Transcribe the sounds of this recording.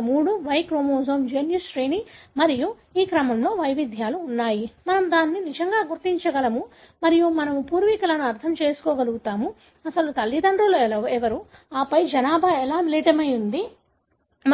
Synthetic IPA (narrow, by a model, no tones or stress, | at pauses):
muːɽuʋɐjkɾoːmoːzoːmd͡ʒeːnjusʃɾeːnimɐɾiju | iːkɾɐmɐmlo̞ːʋɐjʋid̪ʱjaːluːnːaːjimɐnɐmud̪aːnːinid͡ʒɐŋɡaːɡuɾt̪iɲt͡ʃɐɡɐlɐmu | mɐɾijumɐnɐmupuːɾʋikɐlɐnuɐɾt̪ʰɐmt͡ʃe̞ːsu̥kɔːɡɐluɡut̪aːmu | ɐsɐlut̪ɐlːid̪ɐɳɖulɛlɐɛʋɐɾu | aːpɐjd͡ʒɐnaːbʱaɛlaːniliʈɐmɐjund̪i | m